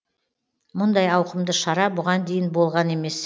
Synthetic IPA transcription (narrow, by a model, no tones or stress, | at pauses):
mʊnd̪ɑjɑwqəmd̪əʃɑɾɑbʊʁɑnd̪e̞jɪnbo̞lˠʁɑne̞me̞s